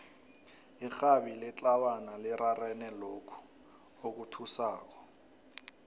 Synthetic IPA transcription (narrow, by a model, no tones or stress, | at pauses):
ixabilɪt͡ɬʼawanalɪɾarɛnɛlokʰu̥ | ok̬utʰusaːk̬ɔ̥